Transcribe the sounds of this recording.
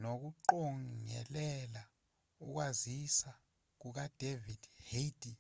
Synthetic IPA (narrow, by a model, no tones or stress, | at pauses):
nok̬uǃɔŋɛ̰lɛla | uk̬wazisa | k̬uk̬ad̥ʱevid̥hed̥i